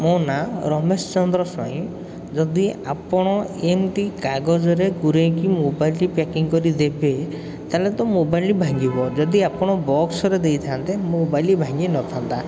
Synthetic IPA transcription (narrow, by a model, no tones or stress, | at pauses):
monaɾɔmest͡ʃɔnd̪ɾɔsɔĩ | d͡ʒɔd̪ia̰pɔɽ̃ɔemʈikaɡɔd͡ʒɔɾeɡuɾejkimobajlʈipakiŋkɔɾid̪ebe | t̪alet̪ɔmobajlibʱaŋɡibɔd͡ʒɔd̪iapɔɽ̃ɔbɔksɔɾed̪ejt̪ʰant̪emobajlibʱaŋɡenɔt̪ʰant̪a